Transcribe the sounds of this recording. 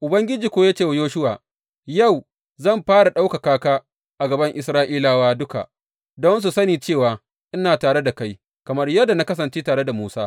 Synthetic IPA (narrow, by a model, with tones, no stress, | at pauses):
ʔʊ˨bɐ˦ŋɡʲɪ˦d͡ʒiː˨kʷoː˦jaː˦t͡ʃeː˦˨wjoː˦ʃʊ˦waː˨ | ja˦˨w | zɐ˦˨mɸaː˦ɽa˨ɗa˦wka˨kaː˦kaː˦ | ʔa˨ɡɐ˨bɐ˦ŋʔɪ˨sɾaː˦ʔiː˦laː˨waː˦dʊ˦ka̰˨ʔ | dɔ˦ns̬u˨sɐ˦niː˨t͡ʃeː˦˨waː˨ | ʔɪ˦naː˨taː˨ɽe˦da˨ka˦j | kɐ˨mɐ˦rjɐ˦dːa˨na˦kɐ˦sɐ˨nt͡ʃeː˦taː˨ɽe˦da˨muː˦saː˦